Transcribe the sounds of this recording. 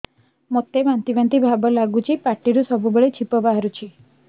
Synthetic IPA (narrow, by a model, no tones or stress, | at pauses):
mot̪ːeʋãnt̪iʋant̪ibʱabəlaɡut͡ʃʰipaʈːiɾusɔbʱubəɭet͡ʃʰipəbaɦɾut͡ʃʰi